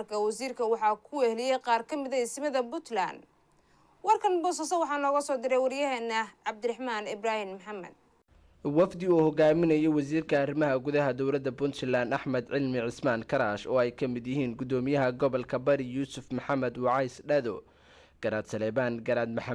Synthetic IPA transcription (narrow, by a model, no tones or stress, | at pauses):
rkʰɐwɑsiːrkʰɐwɑħɑkʰʊɛhlɪjɛjqɑːrkʰɐmɪðɐɪsmɐðɐbʊt̪la̰n | wɐrkʰɐnbɔːsɐsɔwɑħɑːnɔːɣɐsɔːd̪ɪɾɛjwɐɾɪjɐɦɛːnːɐʕɑb̚d̪ɪɾɪħmaːnɪbraːhɪnmħɑmɐ̰d̪̚ | wɑfd̪ɪuːhɔɡaːmɪnɐjɔwɑsiːrkʰɐːrɪmɐɦɐɡʊðɐɦɐd̪ɔwlɐd̪ɐbʊnsɛlaːnɐħmɐd̪ʕɪlmɪʕɪsmaːnkʰɐɾaːʃɔːɛjkʰɐmɪd̪jɪɦiːnɡʊd̪ɔːmɪjɐɦɐɡɔβɐlkʰɐbɐɾɪjuːsʊfmɐħɑmɐd̪wɑʕɑjsɖɐðɔ | ɡ̥ɐɾaːd̪sɐlɛːβaːnɡɐɾaːd̪̚mɐħ